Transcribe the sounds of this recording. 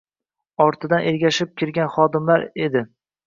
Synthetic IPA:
ɒɾt̪ʰɪd̪anʔe̞ɾɡʲaʃɪp̚kʲɪɾɡʲanχɒd̪ɪmlaɾe̞d̪ɪ

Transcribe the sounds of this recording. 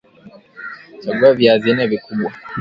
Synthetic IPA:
t͡ʃaɡuavjazinɛvikuɓwa

